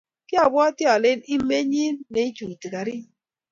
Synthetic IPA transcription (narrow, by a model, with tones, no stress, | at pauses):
kɪ˦a˨bwɔ˦tjɔ˨le˦ni˦me˦ɲi˦nne˨i˦t͡ʃu˨ti˨ka˨ɾi˦